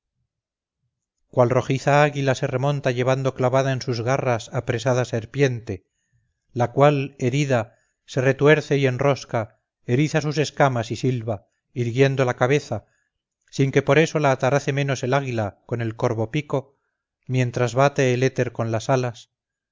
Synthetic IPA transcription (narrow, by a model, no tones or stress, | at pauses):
kwalro̞xiθaaɣilase̞re̞mõnt̪aʝe̞β̞and̪o̞klaβaðaensuzɣarasapɾe̞saðase̞ɾpje̞nt̪e̞ | lakwale̞ɾiða | se̞re̞t̪we̞ɾθe̞ie̞nro̞ska | e̞ɾiθasuse̞skamasisilβa | iɾɣje̞nd̪o̞lakaβe̞θa | siŋke̞po̞ɾe̞so̞laːt̪aɾaθe̞mẽ̞no̞se̞laɣ̞ilako̞ne̞lko̞ɾβo̞piko̞ | mjẽ̞nt̪ɾazβat̪eːle̞t̪e̞ɾko̞nlasalas